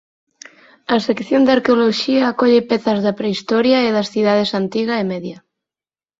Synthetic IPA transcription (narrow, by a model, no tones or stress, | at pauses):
ɐsekθjond̪aɾkeoloʃiaːkɔʎepɛθɐzðapɾeist̪ɔɾjaeðɐsθiðað̞esant̪iɣaemeðja